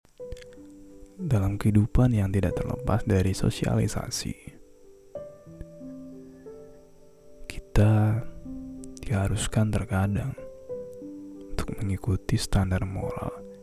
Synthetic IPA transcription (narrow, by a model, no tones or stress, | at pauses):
dalamkəhidupanjaŋt̪idaʔ̚t̪ərlə̰pa̰sdaɾiso̰sia̰lisa̰sḭ | ki̥t̪a | d̥ihaɾuskant̪ərkadaŋ | unt̪ʊ̥k̚məŋikut̪ist̪andarmo̰ɾa̰l